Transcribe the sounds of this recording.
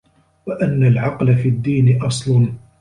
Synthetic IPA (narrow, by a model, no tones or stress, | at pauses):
waʔanːalʕɑqlafiːd̪ːiːnɪʔɑsˤlʊn